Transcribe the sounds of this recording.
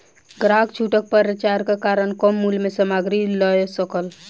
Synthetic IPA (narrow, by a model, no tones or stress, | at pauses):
ɡɾakt͡ʃʰuʈək̚pəɾət͡ʃaɾkekaɾənkɔmːulmesəmaɡɾiləjsəkəl